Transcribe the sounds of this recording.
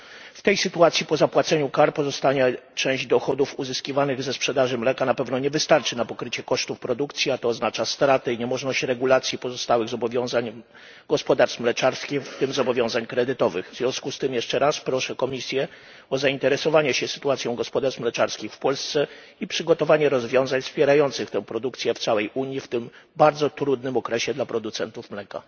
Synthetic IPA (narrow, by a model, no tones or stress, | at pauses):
ft̪ɛjsɘt̪uat̪sʲjipɔzapwat̪sɛɲukaɾpɔzɔst̪aɲɛt͡ʂɛ̃w̃ʑd͡ʑd̪ɔxɔd̪ufuzɘskʲivanɘɣzɛspʂɛd̪aʐɘmlɛkanapɛvnɔɲɛvɘst̪aɾt͡ʂɘnapɔkɾɘt͡ɕɛkɔʂt̪ufpɾɔd̪ukt̪sʲjiat̪ɔːznat͡ʂast̪ɾat̪ɛiɲɛmɔʐnɔɕt͡ɕɾɛɡulat̪sʲjipɔzɔst̪awɘɣzɔbɔvʲjɔ̃zaɲ | ɡ̥ɔspɔd̪aɾst̪mlɛt͡ʂaɾskʲixft̪ɘmzɔbɔvjɔ̃w̃zaɲkɾɛd̪ɘt̪ɔvɘɣvzvʲjɔ̃skust̪ɘmjɛʂt͡ʂɛɾaspɾɔʂɛkɔmʲisʲjɛ | ɔzaint̪ɛɾɛsɔvaɲɛɕɛsɘ̥t̪uat̪sʲjɔ̃w̃ɡɔspɔd̪aɾʂmlɛt͡ʂaɾskʲixfpɔlst̪sɛ | ipʂɘɡɔt̪ɔvaɲɛɾɔzvʲjɔ̃w̃zaɲfspʲjɛɾajɔnt̪sɘxt̪ɛ̃w̃pɾɔd̪ukt̪sʲjɛft̪sawɛjʔuɲjift̪ɘmbaɾd̪zɔt̪ɾud̪nɘmɔkɾɛɕɛd̪lapɾɔd̪ut̪sɛnt̪ufmlɛka̰